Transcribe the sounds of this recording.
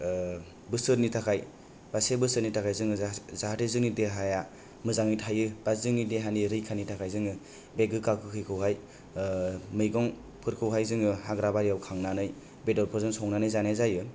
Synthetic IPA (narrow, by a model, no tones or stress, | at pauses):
bɯsɯɾnitʰakʰaj | basebɯsɯɾnitʰakʰajzɯŋɯzaɦaɾɯzɯŋnideɦaja | mɯzaŋnitʰajɯbaszɯŋnideɦaniɾɯjkʰanitʰakʰajzɯŋɯ | beɡɯkakʰɯkʰɯjkʰɯwɦaj | mɯjɡɔŋ | pʰɯɾkʰɯwɦajzɯŋɯhaɡɾabaɾijawkʰaŋnanɯj | bedɔɾpʰɯɾzɯŋsɔŋnanɯjzanezajɯ